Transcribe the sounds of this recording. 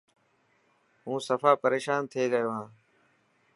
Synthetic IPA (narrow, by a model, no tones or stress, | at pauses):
ɦũːsəfaːpəɾeːʃaːnt̪ʰeːɾəjoːɦãː